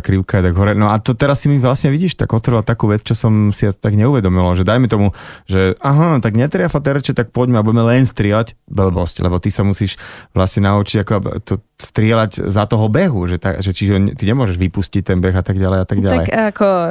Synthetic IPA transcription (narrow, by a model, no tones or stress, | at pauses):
kɾiʊkaɛt̪aɡɦɔɾɛnɔat̪ɔt̪ɛɾasːimiʋlasɲɛʋiɟiːʃt̪a̰ɡɔt̪ʋɔɾilat̪akuːʋɛt͡st͡ʃɔsɔmsiat̪aɡɲɛuʋɛd̪ɔmilaʒɛd̪ajmɛt̪ɔmuʒɛaɦɔt̪aɡɲɛt̪ɾɪafat̪ɛɾɛt͡ʃɛt̪ak̚pɔɟmɛabuɟɛmɛlɛnst̪ɾɪɛlaɟbl̩bɔsclʔɛ̰bɔt̪isamusiːʃʋlasɲɛnaut͡ʃiɟakɔat̪ɔst̪ɾɪɛlaɟzat̪ɔɦɔbɛɦuʒɛt̪a̰ʒɛt͡ʃiʒɔt̪iɲɛmʊɔʒɛʒʋipuscic̚t̪ɛnbɛɣat̪aɡɟalɛɪjat̪aɡɟallɛ̰jakɔ